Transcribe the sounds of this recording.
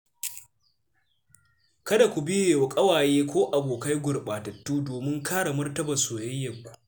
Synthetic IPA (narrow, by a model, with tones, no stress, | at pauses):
kɐ˦da˨kʷu˨bɪ˦jeː˨wɐ˨kʼɐ˦waː˨jeː˦kʷoː˦ʔa˨boː˨ka˦jɡʷʊ˨ɽɓaː˨tɐ˨tːuː˦doː˨mɪ˦ŋkʰaː˦ɽa˨mʊ˦rtɐ˦bɐ˨nsoː˨jɛ˦jːɐ˨kʷu̥˨ʔ